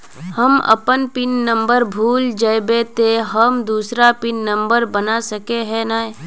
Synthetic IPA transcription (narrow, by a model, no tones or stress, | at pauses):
həmə̰pənpɪnːə̃mbəɾbʱuːld͡ʒəjbet̪eɦəmd̪uːsɾapɪnːə̃mbəɾbənasəkeɦɛnae